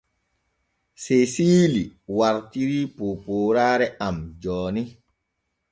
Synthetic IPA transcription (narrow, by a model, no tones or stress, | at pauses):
sesiːliwaɾtiɾipopoːɾaːɾɛamd͡ʒɔːni